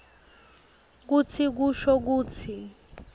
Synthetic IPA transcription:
k̬ut͡sʰik̬uʃɔk̬uːt͡sʰi

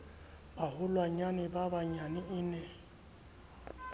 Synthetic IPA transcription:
baɦʊlwaɲanɪbabaɲanɪɪnɛ

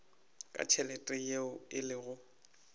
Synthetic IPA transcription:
kʼa̰t͡ʃʰɛlɛtʼɛjeʊɪlɪɣʊ

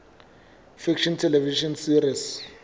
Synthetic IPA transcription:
fikʰʃɔntʰɛlɛviʃɔnsirias

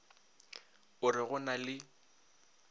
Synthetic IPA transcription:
ʊrɪɣʊnalɪ

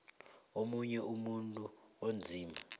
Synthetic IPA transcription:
omuɲɛʔumuntʼuond͡zʱiːma

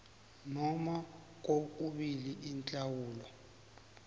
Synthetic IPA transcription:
nɔma | k̬ok̬uɓiliʔint͡ɬʼawuːlɔ

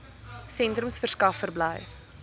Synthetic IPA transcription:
sɛntrəmsfərskɐfːərbləjf

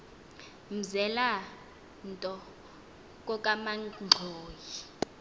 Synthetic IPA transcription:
m̩zɛla | n̩tʼɔ | k̬ʼɔkʼamaŋ͡ǀʱoːji

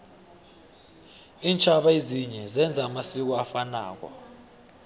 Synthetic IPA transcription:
iːnt͡ʃʰʼaɓaeziɲɛzɛnd͡zʱaːmasik̬ɔafana̰ːk̬ɔ̰

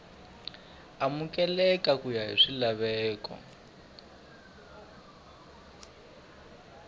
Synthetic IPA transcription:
amukɛlɛkakujaɦḭʂilaβɛːkɔ̰

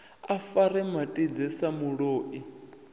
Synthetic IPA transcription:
afaɾɛmatʼid͡zɛsamuɺoːʔi

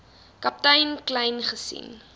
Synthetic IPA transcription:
kɐp̚təjnklɐjnχəsḭn

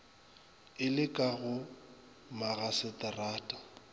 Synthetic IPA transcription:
ɪlɪkʼaɣʊ | maɣasɪtʼaraːtʼḁ

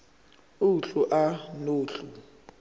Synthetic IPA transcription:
uɬuʔanoːɬu

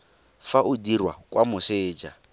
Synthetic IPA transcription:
faʔʊdirwa̰kʼwʔamʊsɪːd͡ʒa

